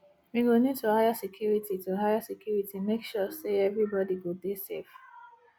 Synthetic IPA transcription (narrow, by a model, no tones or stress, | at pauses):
miwinid̚tuhajasɛkʰjuɹitituɦaɪjasɛkʰjuɹitimekʃɔseɛvɹibɔdiwɪdesef